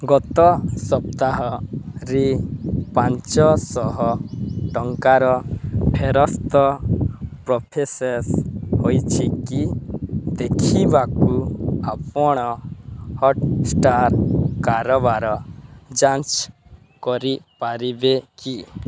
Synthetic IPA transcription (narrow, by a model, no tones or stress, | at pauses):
ɡɔt̪ɔsɔpt̪aɦɔɾipãɲt͡ʃɔsɔɦɔʈɔŋkaɾɔpʰeɾɔst̪ɔ | pɾɔpʰeseshojt͡ʃʰikid̪ekʰibakuapɔɽ̃ɔhɔʈsʈaɾkaɾɔbaɾɔd͡ʒant͡ʃ | kɔɾipaɾibeki